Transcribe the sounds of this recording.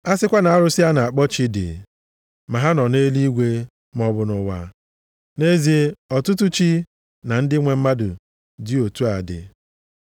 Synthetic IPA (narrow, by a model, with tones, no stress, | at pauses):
a˦sɪ˦kʷa˦na˨a˦ɾʊ˦si˦a˦na˨a˨k͡pɔ˦t͡ʃi˦dɪ̰˨ | ma˨ɦa˦nɔ˨ne˦li˦ɡʷe˦ | m˦ɔ˦bʊ˨˦nʊ˨wa̰˦ | ne˦zi˦ɔ˨tʊ˦t̬u˦t͡ʃi˦ | na˨n̩˦dɪ˦ŋʷe˨m̩˦ma˦dʊ̰˨ | dɪ˦o˨tu˦a˨dɪ̰˨